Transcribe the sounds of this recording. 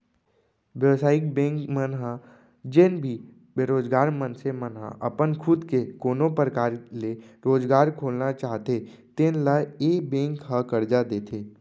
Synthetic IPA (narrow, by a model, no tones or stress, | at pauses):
ʋjəʋsaːɪk̚bẽːŋkmənɦa | d͡ʒɪnbʱi | beɾoːd͡ʒɡaːɾmənsemənɦa̰ʔəpənkʰʊd̪kekoːnõpɾəkaːɾleɾoːd͡ʒɡaːɾkʰoːlnat͡ʃaːɦt̪e | t̪ɪnlaeːbẽːŋkɦəkəɾd͡ʒad̪eːt̪ʰeː